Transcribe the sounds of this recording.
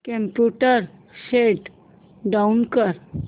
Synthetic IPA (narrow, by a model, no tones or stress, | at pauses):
kẽmpjuʈəɾseʈ | ɖaunkəɾ